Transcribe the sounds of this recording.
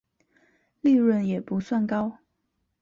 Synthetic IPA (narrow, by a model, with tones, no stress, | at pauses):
li˥˧ɻwə˥˧njɛ˨˩pu˨˧˦swa˥˩nkɑ˥ʊ